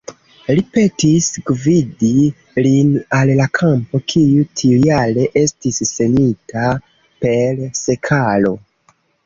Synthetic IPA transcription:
lipe̞tisɡvidi | linallakʰampo̞kʰijutʰijaɾe̞ʔe̞stisːe̞nita | pe̞lse̞kʰalo̞

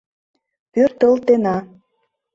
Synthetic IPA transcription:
pørt̪əlt̪enɑ

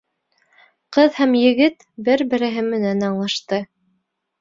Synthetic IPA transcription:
qɤðhæmjɘ̆ɡɘt̪ | bɘɾbɘ̆ɾɘ̆ɦɘmːɘ̆nænɑɴlˠɑʃt̪ɤ

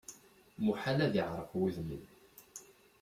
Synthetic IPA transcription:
muħanæðiʕɾˤəfwiðmən

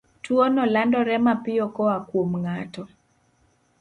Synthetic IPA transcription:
twɔnɔlandɔɾɛmapɪɔkɔwakwomŋatɔ

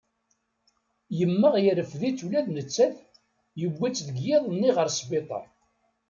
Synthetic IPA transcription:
jəmːəʁjəɾəfðit͡sːulæðnət͡sːæθ | jəɡʷːæt͡sːðəɡjɪðˤnːiʁəɾsbɪt̪ˤɑ̰

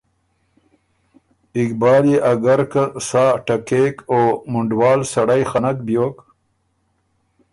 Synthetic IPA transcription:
ɪkbɑːleʔaɡaɾkasaːʈakekomʊɳɖwɑːlsaɽajxanak̚bjok

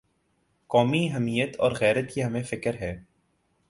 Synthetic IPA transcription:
kɔːmiɦɛmiːjət̪ɔ̰ːɾɣɛːɾət̪kiɦɐmẽfɪkəɾɦɛː

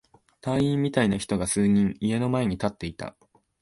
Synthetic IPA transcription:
t̪ãɰ̃ĩmːʲit̪ainaçi̥t̪o̞ɡasɨːɲ̟ĩŋie̞no̞mae̞ɲ̟it̪at̪ːe̞it̪a̰

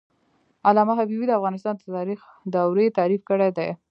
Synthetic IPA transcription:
alɑmaɦabibid̪əafɣɑnɪst̪ɑnd̪ət̪ɑɾix | d̪awɾet̪ɑɾifkəɽed̪e

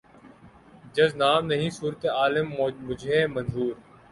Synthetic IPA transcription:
d͡ʒɐznaːmnɐɦĩːsuːɾt̪eaːlɪmːʊd͡ʒʱeːmɐ̃nɦuːɾ

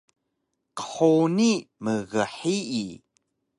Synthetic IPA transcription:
qə̥ħoniməɣəħii

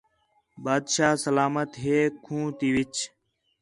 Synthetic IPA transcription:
baːd̪ʃaːsəlaːmət̪ɦeːkʰũːt̪iːʋɪt͡ʃ

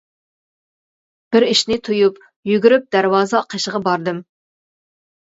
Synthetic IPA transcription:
b̥ɪɾiʃnɪt̪ʰujup | jyɡʲyɾyp̚d̪æɾwɑːzɨɑqʰəʃəʁɑbɑɾd̪ɨm

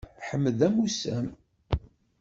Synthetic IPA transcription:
ħəmːəðæmusæm

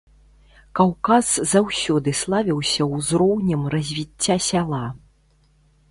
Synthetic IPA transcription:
kawkaszawsʲɔd̪ɨslˠavʲiwsʲɐwzɾɔwnʲɛmrɐzʲvʲit͡sʲːasʲalˠa

